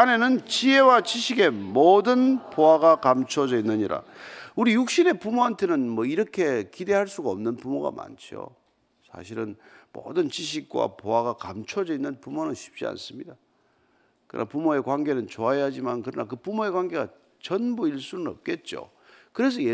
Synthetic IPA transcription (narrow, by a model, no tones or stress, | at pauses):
ane̞nɯnt͡ɕie̞wat͡ɕiɕʰiɡe̞modɯnpoaɡakamt͡ɕʰod͡ʑʌinːɯɲiɾa̰uɾijuk̚ɕ͈ine̞pumoɦantʰe̞nɯnmʌiɾʌkʰe̞kide̞ɦaɭs͈uɡaʌmnɯnpumoɡa̰ma̰nt͡ɕʰio̰ | sʰa̰ɕ̬ʰiɾɯnmo̰dɯnt͡ɕiɕ̬ʰik̚k͈wa̰poaɣakamt͡ɕʰod͡ʑʌinːɯnpumonɯnɕʰi̥p̚t͡ɕ͈ia̰ns͈ɯmɲida | kɯ̰nʔa̰pumoe̞kwanɡe̞nɯnt͡ɕoajad͡ʑimankɯɾʌnakɯpumoe̞kwanɡe̞ɡa̰ | t͡ɕʌnbuiɭs͈unɯnʌ̰p̚k͈e̞t̚t͡ɕ͈o̰ | kɯɾe̞s̬ʰʌje